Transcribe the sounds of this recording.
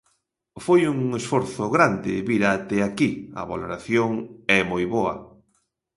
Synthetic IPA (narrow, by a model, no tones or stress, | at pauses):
fojuŋesfoɾθʊɣɾand̪ɪβiɾat̪ɛakia̰βa̰loɾaθjoŋɛmojβoɐ̰